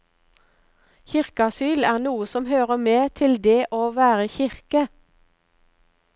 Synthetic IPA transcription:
çɪʁkɑsyːlæːʁnuːəsɔmhøːʁəmeːt̪ʰɪld̪eːʔoːʋæːʁəçɪʁkə

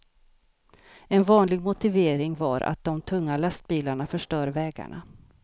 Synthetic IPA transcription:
ɛnvɑːnlɪɡmʊt̪ɪveːɾɪŋva̰ɾʔa̰t̪̚d̪ɔmt̪ʰɵŋːalast̪̚biːlaɳafœʂʈœːɾvɛːɡa̰ɳa̰

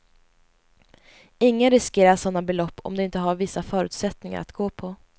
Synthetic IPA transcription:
ɪŋːənɾɪskeːɾaʂɔnːabɛlɔpːɔ̰md̪ɛɪnt̪əɦaɾvɪsːafœːɾʉ̟ːt̪sɛt̪nɪŋa̰ɾa̰t̪ɡoːpʰɔ

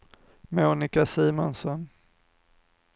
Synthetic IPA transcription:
moːnɪkasiːmɔnsɔn

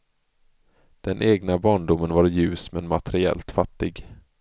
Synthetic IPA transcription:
d̪̥ɛnʔeːɡnabɑːɳɖʊmːənvaɾjʉ̟ːsmɛnmat̪ʰɛɾɪɛ̰lt̪fat̪ːɪɡ

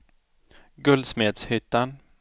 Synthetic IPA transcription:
ɡɵld̪smeːd̪shʏt̪ːan

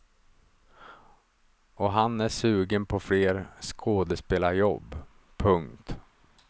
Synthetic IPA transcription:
ɔɦanæʂʉ̟ːɡənpʰɔfleːɾskʰoːd̪əspeːlajɔbː | pʰɵŋkt̪

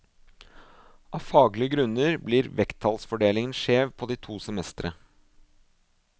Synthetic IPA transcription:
ʔɑːʋfɑːɡlɪəɡɾʉnəɾbliːɾʋɛkt̪ʰːɑlsfɔɖeːlɪŋənʃeːʋpʰoːd̪iːt̪ʰuːsɛmɛst̪ɾə

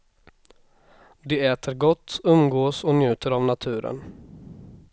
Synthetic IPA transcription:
d̪ɛɛːt̪ʰəɾɡɔt̪ːɵmɡoːsɔnjʉ̟ːt̪ʰəɾavnat̪ʰʉ̟ːɾə̰n

